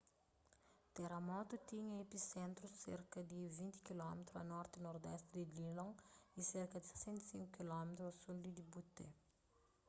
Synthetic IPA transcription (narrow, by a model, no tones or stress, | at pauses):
t̪eɾɐmɔt̪ut̪iɲɐepisẽnt̪ɾusḛɾkɐd̪ivĩnt̪i̥kilɔmet̪ɾuɐ̰nɔɾt̪inoɾd̪ɛst̪ɾɪd̪ililõŋiseɾkɐd̪ise̥sẽnt̪e̥sĩŋkukilɔmet̪ɾuɐsuld̪id̪ibut̪ḛ